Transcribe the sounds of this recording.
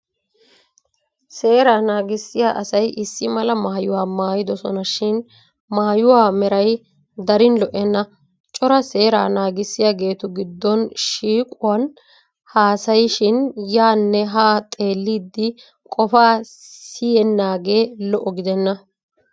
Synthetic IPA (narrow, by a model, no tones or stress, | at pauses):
se̞ːɾaːnaːɡɪsːɪjaːʔɐsɐjʔɪsːɪmɐlɐmaːjʊwaːmaːjɪd̪ɔsɔ̰nɐʃɪn | maːjʊwaːmɛɾɐj | d̪ɐɾɪnlɔʔɛnːɐ | t͡ʃʼɔɾɐse̞ːɾa̰ːnaːɡɪsːɪjaːɡe̞ːt̪ʊɡɪd̪ːɔnʃiːkʼʊwan | haːsɐjʃɪnjaːnːɛɦaːt̪ʼe̞ːlːiːd̪ːɪ | kʼɔfaː | sɪjɛnːaːɡe̞ːlɔʔːɔɡɪd̪ɛnːɐ